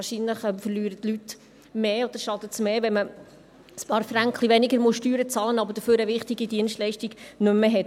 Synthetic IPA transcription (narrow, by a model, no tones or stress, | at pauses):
ɾʃinləχɛmfəɾlyːɾətlyt | meːod̥̪əɾʃɑd̪ətsmeːʋɛnmə | spɑːɾfɾæŋkχliʋɛnɪɡəɾmuʃtyːɾət͡sɑːlənɑbəd̥əføːɾəʋɪχtiɡidiənʃtlɛɪʃtiɡnɵmːeɦɛt